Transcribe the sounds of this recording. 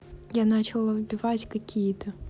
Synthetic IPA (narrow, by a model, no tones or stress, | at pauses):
janat͡ɕɪlˠɐvbʲɪvatʲkɐkʲʰijət̪ʰə